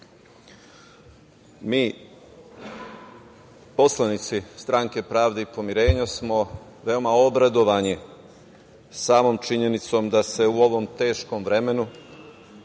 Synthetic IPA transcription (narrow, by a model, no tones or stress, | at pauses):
miː | po̞slˠanit̪sist̪ɾaːŋke̞pɾaːʋd̪eipo̞miɾe̞ːɲasmo̞ | ʋe̞o̞mao̞bɾad̪o̞ʋani | saːmo̞ːmt͡ʃiɲe̞nit̪so̞md̪ase̞uo̞ʋo̞mt̪e̞ːʃko̞mʋɾe̞me̞nu